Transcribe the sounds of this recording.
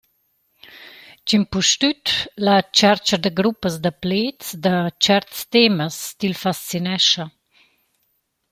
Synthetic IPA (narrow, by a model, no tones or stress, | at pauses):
t͡ʃimpuʃt̪yt̪lat͡ʃɛɾt͡ʃɐd̪əɡɾupːəsd̪əpleːt͡sd̪ət͡ʃɛɾt̪st̪eməst̪ilfast͡sinɛʃɐ